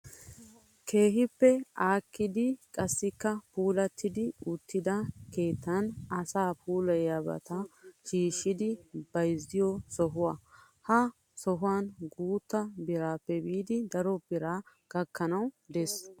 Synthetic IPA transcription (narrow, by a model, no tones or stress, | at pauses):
kʰe̞ːɦɪpːɛaːkːɪd̪ɪkʼɐsːɪkːɐpuːlɐt̪ʰːɪd̪ɪʊt̪ːɪd̪ɐke̞ːt̪ʰːɐnɐsaːpʰuːlɐjɐbɐ̰t̪ɐʃiːʃːɪd̪ɪbɐjzːɪjɔsɔɦʊwɐ | hɐ | sɔɦʊwanɡuːt̪ːɐbɪɾaːpːɛbiːd̪ɪd̪ɐɾɔbɪɾaː | ɡ̥ɐkːɐnɐwd̪ɛs